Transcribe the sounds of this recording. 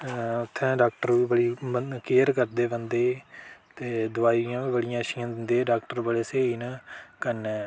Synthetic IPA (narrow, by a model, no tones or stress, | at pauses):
ʊt̪ʰːɛ̃ːɖaːkʈəɾiːbəɽiːəkeːɾkəɾd̪eːbə̃nd̪eːt̪eːd̪ʊaːiãːiːbəɽɪjãːʃɪjãːd̪ɪnd̪eːɖaːkʈəɾbəɽeːseːiːnəkənɛː